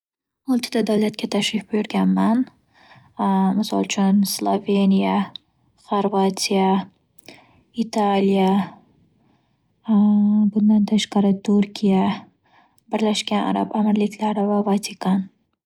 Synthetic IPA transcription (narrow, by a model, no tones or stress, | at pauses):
olˠt̪ʰɪd̪ad̪awlat̪̚kʲat̪ʰaʃlɪfbojʊɾɡʲanman | mɪsɒ̰lˠt͡ʃʰʊnslˠove̞nija | χoɾvat̪ʰija | it̪ʰalija | bʊnd̪ant̪ʰaʃqɑɾɪt̪ʰuɾkʲʰija | bɪɾlaʃkʲana̰ɾa̰bamɪɾlɪkʲlaɾɪvavat̪ʰikʰan